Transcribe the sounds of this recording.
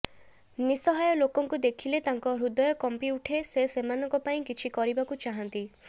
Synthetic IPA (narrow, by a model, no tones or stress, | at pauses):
nisɔɦajɔlokɔŋkud̪ekʰilet̪aŋkɔɾud̪ɔjɔkɔmpiuʈʰesesemanɔ̃ŋkɔpaĩkit͡ʃʰikɔɾibakut͡ʃaɦɔnt̪i